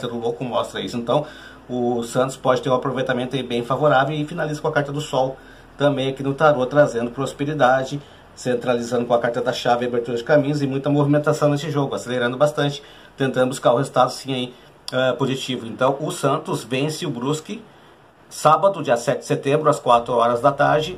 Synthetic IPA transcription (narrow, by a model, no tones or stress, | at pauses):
kaɾt̪ɐd̪ʊlokʊmɔst̪ɾɐisʊẽnt̪ɐ̃w̃ | ʊsɐ̃nt̪ʊ̥spɔd͡ʒɪt̪eɾũapɾovejt̪amẽnt̪ʊaibẽj̃favoɾavewɪfinalizɐkõakaɾt̪ɐd̪ʊsɔw | t̪ɐ̃mbẽj̃akinʊt̪aɾot̪ɾazẽnd̪ʊpɾospeɾid̪ad͡ʒɪ | sẽnt̪ɾalizɐ̃nd̪ʊkõɐakaɾt̪ɐd̪ɐʃavɪabeɾt̪uɾɐd͡ʒɪkamĩɲʊzɪmũj̃t̪ɐmovimẽnt̪asɐ̃w̃nesɪʒoɡʊaseleɾɐ̃nd̪ʊbast̪ɐ̃nt͡ʃɪ̥ | t̪ẽnt̪ɐ̃nʊbuskaɾʊhezut̪ad̪ʊsĩai | ɛpozit͡ʃivʊẽnt̪ɐ̃w̃ʊsɐ̃nt̪ʊzvẽsɪʊbɾuskɪ | sabɐd̪ʊd͡ʒiɐsɛt͡ʃɪd̪ɪset̪ẽmbɾʊɐskwat̪ɾʊɔɾɐzd̪ɐt̪aɾd͡ʒɪ